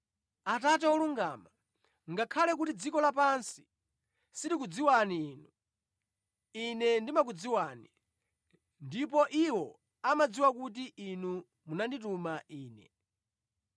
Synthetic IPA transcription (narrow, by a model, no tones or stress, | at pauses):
atat̬ɛwɔluŋɡama | ŋɡakʰalɛk̬utid͡zikɔlapansi̥ | siɾik̬ud͡ziwaniiːnu | inɛndimak̬ud͡ziwaːni | ndipɔʔiwɔ | amad͡ziwakut̬iʔːnu | munandit̬umaiːnɛ̰